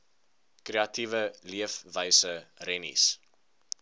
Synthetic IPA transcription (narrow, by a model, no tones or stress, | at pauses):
kreɐtivəliəfvəjsərɛnḭs